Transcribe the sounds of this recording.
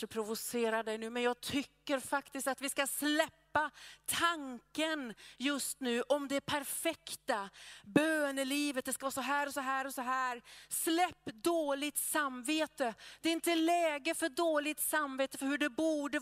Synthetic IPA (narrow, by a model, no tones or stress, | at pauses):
əpʰɾʊvʊseːɾaɖɛjnʉ̟ːmɛnjɑːɡ̚t̪ʰʏkːəɾfakt̪ɪskt̪at̪vɪskaslɛpːat̪ʰaŋkənjɵst̪nʉ̟ːʔɔmd̪ɛæpʰæɾfɛkt̪abøːnəliːvət̪̚d̪ɛskavɑːsɔɦæːɾɔsɔɦæːɾɔsɔɦæːɾslɛpːd̪oːlɪɡ̚t̪samːveːt̪əd̪̥ɛɪnt̪əlɛːɡəfœɖoːlɪt̪samːveːt̪əfœɾhɵɖɛbuːɖə